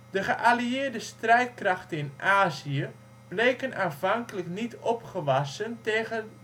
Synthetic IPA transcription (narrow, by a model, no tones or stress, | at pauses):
dəɣəʔaliɪːdəstrɛjt̚kraxtənɪnʔaːziə | b̥lejkənaːnvaŋkələknitɔpχəʋasənteːɣə